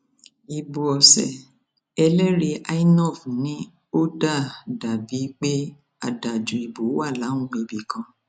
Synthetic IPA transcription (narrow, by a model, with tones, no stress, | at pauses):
i˨bu˨ɔ˨sɛ̰˨ | ɛ˧lɛ˦ɾi˧ʔa˦jnɔ˦˨fnĩ˦ | o˦da˦˨da˨bi˨˦k͡pe˦ | a˨da˨d͡ʒu˨i˨bu˨˦wa˦˨la˨˦ũ˦ɡ͡be˧bi˨kɔ̃˧